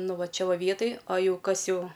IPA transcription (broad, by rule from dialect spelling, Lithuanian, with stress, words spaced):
ˈnʊ ˈʋɐ ˈt͡ʃʲɛ ˈʋɐ ˈʋʲiɛtɐj ɐ ˈjɛʊ ˈkɐs ˈjɛʊ